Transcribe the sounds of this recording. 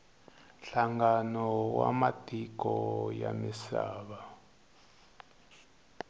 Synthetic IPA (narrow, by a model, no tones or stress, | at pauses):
ɬaŋɡanɔwamatʼikɔjamisaːβa